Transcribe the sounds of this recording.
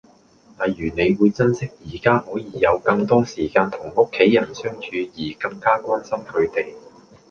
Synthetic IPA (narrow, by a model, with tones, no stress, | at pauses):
laː˨˩jjyː˨˩ne˨˧jwuː˨˧jt͡sɐ˥nsɪ˥k̚jiː˨˩kaː˥hɔː˨˥jiː˨˧jɐ˨˧wkɐ˧ŋt̪ɔː˥siː˨˩kaː˧nt̪ʰʊ˨˩ŋʊ˥kʰːe˨˥jːɐ˨˩nsœː˥ŋt͡ʃʰyː˨˧jiː˨˩kɐ˧ŋkaː˥kʷaː˥nsɐ˥mkʰɵ˨˧ɥt̪e˨j